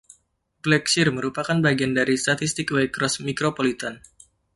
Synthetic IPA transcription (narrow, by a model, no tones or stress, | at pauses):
blɛksirməɾupakanbaɡiandaɾist̪at̪ist̪ɪkwɛkɾɔsmikɾopolit̪an